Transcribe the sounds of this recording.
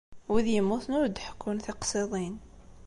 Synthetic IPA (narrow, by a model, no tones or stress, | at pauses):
wiðjəmːuθnʊɾd̪ħkːʊnθiqsˤiðˤin